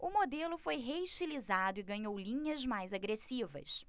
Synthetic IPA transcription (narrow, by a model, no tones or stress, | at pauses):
ʊmod̪elʊfojɦeiʃt͡ʃilizad̪ʊɪɡɐ̃ɲowlĩɲɐzmajzaɡɾesivɐ̰s